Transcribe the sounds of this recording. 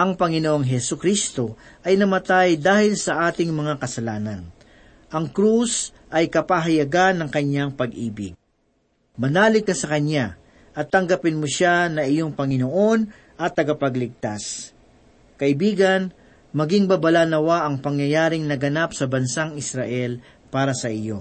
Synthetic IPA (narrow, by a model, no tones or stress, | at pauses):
ʔɐŋpɐŋɪnoʔoŋɦɛsʊkɾist̪o̞ʔɐjnɐmɐt̪ajd̪aːhɪlsɐʔaːt̪ɪŋmɐŋakɐsɐlaːnɐn | ʔɐŋkɾus | ʔɐjkɐpaɦɐjɐɡanːɐŋkɐɲjaŋpɐɡʔḭːbɪ̰ɡ̚ | mɐnaːlɪkːɐsɐkɐɲa | ʔɐt̪ːɐŋɡɐpɪnmoʃanɐɪjo̞ŋpɐŋɪno̞ʔo̞n | ʔɐt̪ːɐɡɐpɐɡlɪɡ̚t̪as | kɐʔɪbiːɡɐn | mɐɡɪŋbɐbɐlaːnɐwaʔɐŋpɐŋjɐjaːɾɪŋnɐɡɐnapsɐbɐnsaŋɪsɾɐʔɛl | paːɾɐsɐʔɪjo̞